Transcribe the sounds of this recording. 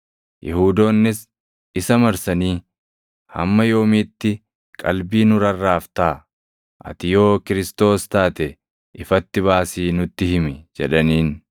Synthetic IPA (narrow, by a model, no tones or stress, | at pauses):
jʔɛhuːd̪o̞ːnːɪs | ɪsɐmɐɾsɐniː | hɐ̰mːɐjo̞ːmiːt̪ːɪ | kʼɐ̰lbiːnʊɾɐrːaːft̪aː | ʔɐ̰t̪ɪjo̞ːkɪɾɪst̪o̞ːst̪aːt̪ɛ | ʔɪfɐt̪ːɪβaːsiːnʊt̪ːɪhɪmɪd͡ʒɛᶑɐniːn